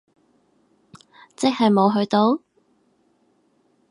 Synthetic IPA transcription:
t͡sɪ˥k̚hɐ˨jmo˨˧wɦɵ˧ɥt̪o˧w

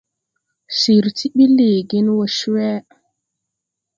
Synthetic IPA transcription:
si˨ɾti˦ɓi˦li˨ɡi˦nwo˨ʃwɛ˦

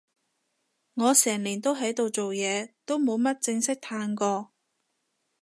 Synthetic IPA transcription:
ŋɔː˨˧sɛː˨˩ŋliː˨˩nt̪o˥wɦɐ˨˥jt̪o˨wt͡so˨wjɛː˨˧t̪o˥wmo˨˧wmɐ˥t̚t͡sɪ˧ŋsɪ˥k̚t̪ʰaː˧nkɔː˧

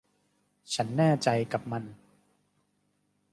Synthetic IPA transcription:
t͡ɕʰa˦˥nːɛː˥˩t͡ɕa˧jka˨˩p̚ma˧n

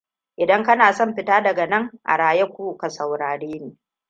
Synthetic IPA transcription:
ʔɪ˨dɐ˦ŋkɐ˦naː˨sɔ˦˨mɸɪ˦taː˦dɐ˨ɡa˨nɐ˦˨ŋʔa̰˨ɽaː˨jɛ˦kʷuː˦ka˨sɐ˨wɽaː˨ɽeː˦neː˨

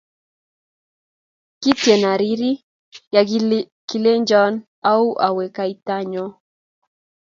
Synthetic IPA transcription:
ki˦tje˨na˨ɾi˦ɾi˦ | ja˨ | ki˨le˦ɲd͡ʒɔ˦n | a˦u˦ʔa˨we˨ka˦i˦ta˦ɲɔ˦

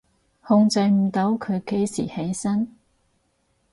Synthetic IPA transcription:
hʊ˧ŋt͡sɐ˧jm̩˨t̪o˨˥wkʰɵ˨˧ɥke˨˥jsḭː˨˩he˨˥jsɐ˥n

